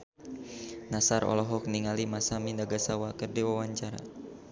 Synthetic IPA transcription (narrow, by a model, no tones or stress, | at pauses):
nasaɾɔ̰lɔɦɔk̚niŋalimasamindaɡasawakərdiwawaɲt͡ʃaɾa̰